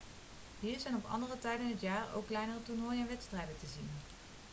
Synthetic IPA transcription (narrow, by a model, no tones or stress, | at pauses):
ɦiːɹzɛjnɔpɑ̰ndərətɛjdənɦətjaːɹo̰wkːlɛjnərətunojɛnʋɛtstrɛjdətəzin